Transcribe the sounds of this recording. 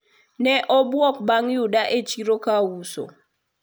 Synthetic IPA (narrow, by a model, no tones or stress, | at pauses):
nɛʔɔbwɔk̚baŋjudaʔet͡ʃiɾokawuso̰